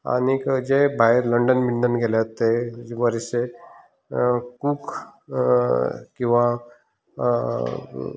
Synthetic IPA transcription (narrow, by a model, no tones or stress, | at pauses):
a̰ñid͡ʑebʱaeɾləɳɖənmiɳɖənɡʱeljat̪ːeʋəɾise | kuːk | kĩw̃ʋa